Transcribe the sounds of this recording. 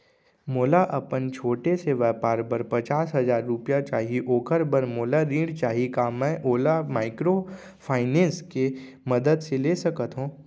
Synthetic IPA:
moːlaʔɐpənt͡ʃʰoːʈeseʋɛːpaːɾbəɾpɐt͡ʃaːsɦɐzaːɾːʊpjat͡ʃaːɦiiʔoːkəɾbəɾmoːlaɾĩːɽt͡ʃaːɦikaːmɛ̃ʔoːlamaːɪkɾo | pʰaːɪnẽːnske | mɐd̪əd̪seleːsɐkət̪ɦũː

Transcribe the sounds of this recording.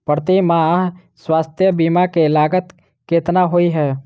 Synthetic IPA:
pəɾt̪imãɦ | swaːst̪ʰjəbiːmakeɪlaːɡət̪ | keːt̪naɦoːiɦɛː

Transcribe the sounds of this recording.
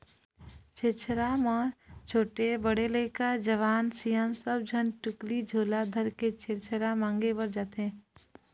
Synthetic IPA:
t͡ʃʰeːt͡ʃʰɾamaːt͡ʃʰoːʈebəɽeləɪkad͡ʒəʋaːnsijãːnsəb̚d͡ʒʱənʈʊklid͡ʒʱoːlad̪ʱəɾket͡ʃʰeːɾt͡ʃʰəɾamãːŋɡebəɾd͡ʒaːt̪ɦɛ̃ː

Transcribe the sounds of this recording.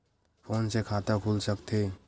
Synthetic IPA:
pʰoːnsekʰaːt̪əkʰulsəkt̪ʰe

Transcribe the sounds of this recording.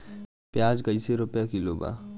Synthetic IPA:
pjaːd͡ʒkɐiseɾʊpjakiloːba̰ː

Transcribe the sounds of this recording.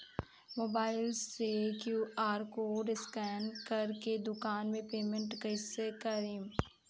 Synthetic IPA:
moːbaːɪlsekjuːʔaːɾkoɖɪskɛːnkɐɾked̪ʊkaːnmẽpeːmẽɳʈkɐɪsekɐɾiːm

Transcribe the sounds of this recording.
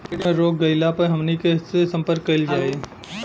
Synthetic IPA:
ʈmẽɾoːk̚ɡɐɪlapɐɾɦɐmnikesesɐ̃mpəɾkːɐɪld͡ʒaːe

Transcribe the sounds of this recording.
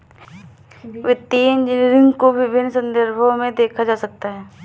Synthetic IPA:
ʋɪt̪iːnd͡ʒnɾɪ̃ŋɡkoʋɪbʱɪnːsə̃nd̪əɾbʱomẽd̪eːkʰad͡ʒaːsɐk̚t̪aɦɛː

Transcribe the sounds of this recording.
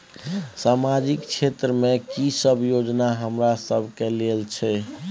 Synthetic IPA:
samad͡ʒikt͡ʃʰet̪ɾəmekisəbʱjod͡ʒnaɦəmɾasəbʱkelelt͡ʃʰɛ

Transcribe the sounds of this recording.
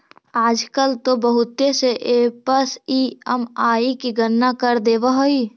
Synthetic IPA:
aːd͡ʒkəlt̪obəɦʊt̪ːeseʔeːpəsiəmaːikiɡənːakəɾd̪eːʋəɦoi

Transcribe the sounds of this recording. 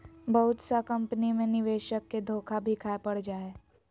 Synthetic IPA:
bɐɦʊt̪sakɐ̃mpnimẽnɪʋeːʃəkːed̪ʱoːkʰabʱikʰaːepɐɽ̤d͡ʒaːeː

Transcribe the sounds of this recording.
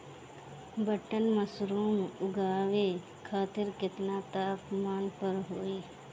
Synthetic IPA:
bəʈənməsɾuːmʊɡaːwe | kʰaːt̪ɪɾkɪt̪nat̪aːpmaːnpəɾɦoːiː

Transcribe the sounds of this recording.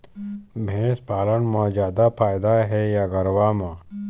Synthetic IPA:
bʱẽːspaːlənmãːzjaːd̪apʰaːjd̪aɦɛjaːɡɐɾwaːmãː

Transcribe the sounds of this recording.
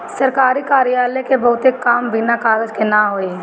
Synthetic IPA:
sɐɾkaːɾikaːɾijaːlekebɐɦʊt̪ekːaːmbinakaːɾəd͡ʒkenaːɦoːi

